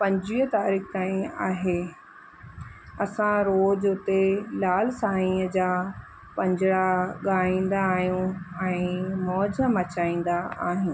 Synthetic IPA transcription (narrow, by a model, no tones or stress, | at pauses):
pɐ̃ɲd͡ʑʋiːɦət̪aːɾiːxt̪aːĩa̰ːɦe | ɐsãɾoːd͡ʑʊt̪elaːlsaːɦĩːəd͡ʑaː | pɐ̃ɲd͡ʑɪɽaɠaːĩːn̆d̪aːɦijũɛ̃ːmɔːd͡ʑəmɐt͡ɕaːĩːn̆d̪aa̰ːɦijũː